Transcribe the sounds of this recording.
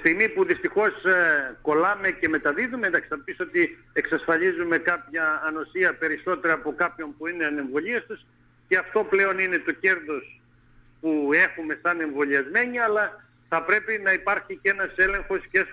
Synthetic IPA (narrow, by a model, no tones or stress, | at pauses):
st̪iɣmipuðist̪ixo̞sko̞lɐme̞ce̞met̪ɐðiðumeend̪ɐksinɐpisot̪i | eksɐsfɐʎizume̞kɐpçɐːno̞siɐpe̞ɾiso̞t̪e̞ɾɐːpo̞kɐpço̞npuine̞ɐne̞ɱvo̞ʎiest̪us | ce̞ɐft̪o̞ple̞o̞nine̞t̪o̞ce̞ɾðo̞s | pue̞xume̞sɐne̞ɱvo̞ʎiɐzme̞ɲiɐlɐ | θɐpɾe̞pinɐipɐɾçice̞nɐse̞le̞ŋxo̞sce